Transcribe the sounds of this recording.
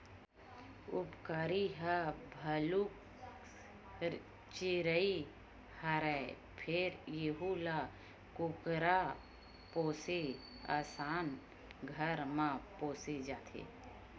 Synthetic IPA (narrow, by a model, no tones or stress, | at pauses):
ʊpkaːɾiɦəbʱəluk | t͡ʃɪɾəi | həɾəe | pʰɪɾjeɦula | kʊkɾa | poːse | a̰ːsaːn | ɡʱəɾmãpoːsed͡ʒaːt̪ʰḛ